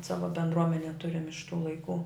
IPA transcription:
ˈsɑːʋɐ bʲɛndˈruɔmʲɛnʲeː ˈtʊrʲɪm ɪʃ tuː lˠɐɪˈkuː

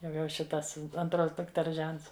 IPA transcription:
jɛʊ jɛʊ ˈʃʲɪtɐs ɐnˈtroːs dʊkˈtʲɛrs ˈʒʲɛnts

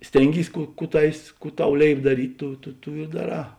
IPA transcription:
ˈsʲtʲeːŋʲˌɡʲiːs ˈkuː ˈkuː ˈtɑːʋʲeːs ˈkuː ˈtɐʊ ˈlʲeːɪp dɐˈrʲiːtʲ ˈtʊ tʊ ˈtuː ɪ dɐˈrɑː

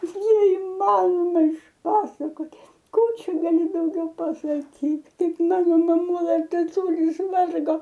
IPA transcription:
nʲɛɪˈmɑːnoːmɐ ɪʃˈpɑːsɐkoːtʲ ˈkuː ˈt͡ʃʲɛ ɡɐˈlʲɪ dɐʊˈɡʲɛʊ pɐsɐˈkʲiːt ˈkɐɪp ˈmɑːnoː mɐˈmʊlˠɐ tɐˈtʊlʲɪs ˈʋɐrɡoː

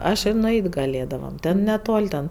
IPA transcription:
ˈɐʃ ɪ nʊˈɛɪtʲ ɡɐˈlʲeːdɐʋɐm ˈtʲɛn nʲɛˈtoːlʲ tʲɛn

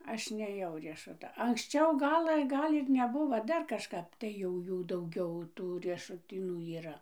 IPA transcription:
ˈɐʃ nʲeːˈjɛʊ rʲiɛʃʊˈtɐ ɐŋksʲˈt͡ʃʲɛʊ ˈɡɑːlˠɘ ˈɡɐlʲ ɪr nʲɛˈbʊʋoː ˈdɐr kɐʃˈkɐp tɐɪ jɛʊ ˈjuː dɐʊˈɡʲɛʊ ˈtuː rʲiɛʃʊˈtʲiːnuː iːˈrɐ

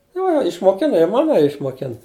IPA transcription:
ˈjoː ɪʃmoːˈkʲɪnɐ ɪ ˈmɑːnɐjɛ ɪʃmoːˈkʲɪn

